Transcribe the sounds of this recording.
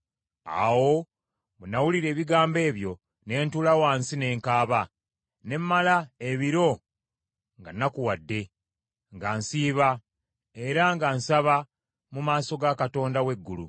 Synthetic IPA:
a̰wo̞ | βunawuliɾe̞ːβiɡaːmbe̞ːβjo̞ | ne̞ːntulawaːnsine̞ːŋkaːβa | ne̞mːalaeβiɾo̞ | ŋɡanːakuwadːe̞ | ŋɡaːnsiːβa | e̞ɾaŋɡaːnsaβa | mumaːso̞ɡakato̞ːndawe̞ɡːulṵ

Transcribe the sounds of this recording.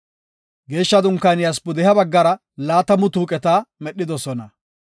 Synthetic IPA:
ɡe̞ːʃːɐd̪ʊŋkːɐnɪjɐs̬pʊd̪ɛɦɐbɐɡːɐɾɐ | laːt̪ɐmʊt̪uːkʼɛt̪aːmɛɗːɪd̪ɔsɔnɐ

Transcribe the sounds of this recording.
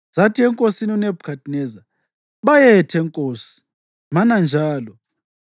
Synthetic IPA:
z̥atʰiɛŋkʼosiniunɛbʱkʰatʰʼinɛza | βajɛtʰɛŋkʼoːsi̥ | manand͡ʒʱaːlɔ

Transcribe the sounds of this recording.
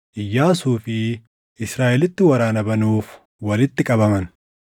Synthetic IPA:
ʔɪjːaːsuːfɪ | ʔɪsɾaːʔɛlɪt̪ːɪwɐɾaːnɐbɐnuːf | wɐlɪt̪ːɪkʼɐbɐmɐn

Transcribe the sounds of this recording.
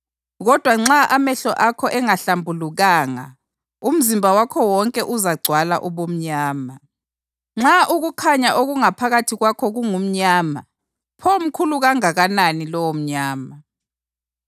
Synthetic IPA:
ɣɔd̥ʱwaŋ͡ǁaʔamɛɬɔʔakʰɔʔɛŋaɬambʱuluɣaːŋa̰ | um̩zimbʱawakʰɔwɔŋkʼɛʔuzaɡ͡ǀʱwala̰ʔuβom̩ɲaːma | ŋ͡ǁaʔuɣukʰaɲaʔoɣuŋapʰaɣatʰiɣwakʰɔɣuŋum̩ɲaːma̰ | pʰom̩kʰuluɣaŋaɣananilɔwom̩ɲaːma

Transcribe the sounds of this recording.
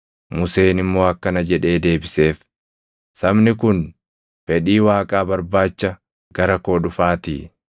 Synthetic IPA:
mʊse̞ːnɪmːo̞ːɐkːɐnɐd͡ʒɛᶑe̞ːd̪e̞ːbɪse̞ːf | sɐbnɪkʊn | fɛᶑiːwaːkʼaːbɐɾbaːt͡ʃːɐ | ɡ̥ɐɾɐkoːᶑʊfaːt̪ḭː

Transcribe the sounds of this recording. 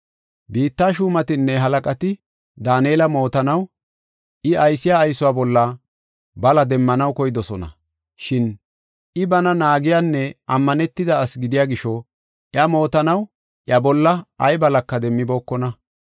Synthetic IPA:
biːt̪ːaːʃuːmɐt̪ɪnːɛɦɐlɐkʼɐt̪ɪ | d̪aːnjeːlɐmo̞ːt̪ɐnɐw | ʔɪɐjsɪjaːjsʊwaːbɔlːɐ | bɐlɐd̪ɛmːɐnɐwkɔjd̪ɔsɔnɐ̰ | ʃɪn | ɪbɐnɐnaːɡɪjanːɛɐmːɐnɛt̪ːɪd̪ɐːsɡɪd̪ɪjaːɡɪʃɔ | ʔjɐmo̞ːt̪ɐnɐw | ʔjɐbɔlːɐɐjbɐlɐkːɐd̪ɛmːɪbo̞ːkːɔnɐ

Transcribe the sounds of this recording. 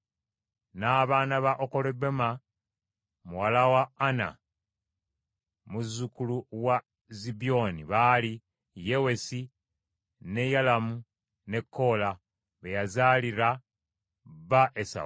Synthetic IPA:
naːβaːnaβaʔoko̞lebema | muwalawaːna̰ | muzːukuluwa | zibio̞niβali | je̞we̞si | ne̞jalamu | ne̞kʰːo̞ːla | βejazaːliɾa | βaʔesa̰

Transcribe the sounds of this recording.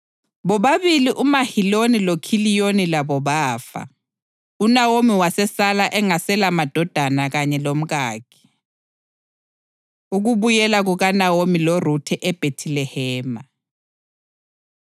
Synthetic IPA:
βɔβaβiliʔumahilonilokʰilijonilaβɔβaːfa̰ | unawomiwasɛsalaʔɛŋasɛlamad̥ʱɔd̥ʱanaɣaɲɛlom̩ɣaːkʰi̥ | uɣuβujɛlaɣuɣanawomilorutʰɛʔɛb̥ʱetʰilɛhɛːma

